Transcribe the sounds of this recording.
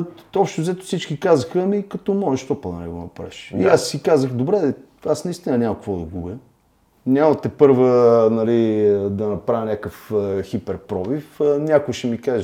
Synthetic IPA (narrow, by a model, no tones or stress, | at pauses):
ɔpʃt̪ʊzɛt̪ʊ̥sit͡ʃkikazəxəmikɐt̪ɔmɔʒeʃt̪ɔpəd̪ɐ̰nɛ̰ɡo̰nɐ̰pɾa̰ʃiasikazəxd̪obɾɛd̪ɛ | asnɐist̪inɐnʲamɐkɐkvɔd̪ɐɡubə | nʲamət̪ɛpɤɾvənɐlid̪ɐnɐpɾavʲɐnʲakəfxipɛɾpɾɔvifnʲakʊʃɛmikaʒɛ